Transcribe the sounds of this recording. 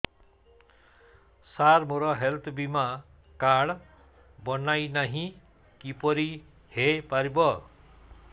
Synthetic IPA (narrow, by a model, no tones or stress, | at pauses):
saɾmoɾʌɦelt̪ʰbima | kaɽ | bʌnajnaɦĩ | kipɔɾi | hepaɾibʌ